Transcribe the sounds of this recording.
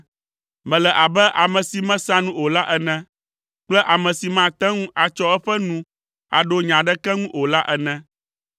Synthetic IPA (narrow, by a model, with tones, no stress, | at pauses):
mɛ̃˨lɛ˨ʔa˨bɛ˦ʔa˨mɛ̃˨si˨mɛ̃˦sã˦nũ˦o˨la˦ʔɛ˦nɛ̃˦ | k͡plɛ˦ʔa˨mɛ̃˨si˨mã˦t̪ɛ̃˦ŋũ˦ʔa˨t͡ʃɔ˦ɛ˦ɸɛ˦nũ˦ | a̰˨ɖo˦ɲã˨ɖɛ˦kɛ˦ŋũ˦ʔo˨la˦ʔɛ˦nɛ̃˦